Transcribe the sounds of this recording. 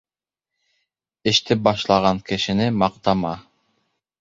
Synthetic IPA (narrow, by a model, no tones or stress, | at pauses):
ɘ̆ʃt̪ɘp̚bɑʃlˠɑʁɑŋkɘ̆ʃɘ̆nɘmɑq̚t̪ɑmɑ